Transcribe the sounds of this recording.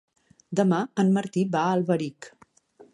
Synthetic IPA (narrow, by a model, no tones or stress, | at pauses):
d̪əmaənməɾt̪ibaəlˠβəɾik